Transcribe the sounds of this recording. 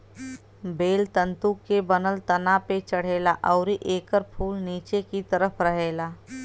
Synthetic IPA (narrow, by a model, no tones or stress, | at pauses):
beːlt̪ə̃nt̪ukːebənəlt̪ɐnapet͡ʃəɽ̤eːlaʔɔʊɾiʔeːkəɾpʰuːlniːt͡ʃekit̪əɾəpʰɾəɦeːlaː